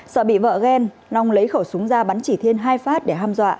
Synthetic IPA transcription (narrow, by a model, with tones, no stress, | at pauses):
səː˧˩ɓḭ˧˨və̰ː˧˨ɣɛ˧n | la˧˩wŋ͡mlə˨˦jxə˧˩wsu˨˦əŋzaː˧ɓa˨˦nt͡ɕi˧˩t̪ʰi˧ənɦaː˧jfaː˦˥t̚ɗe˧˩ɦaː˧mzwa̰ː˧˨ʔ